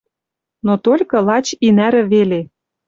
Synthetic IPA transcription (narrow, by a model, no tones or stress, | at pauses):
not̪olʲkɤ̆lɑt͡ɕinæɾɘ̆βele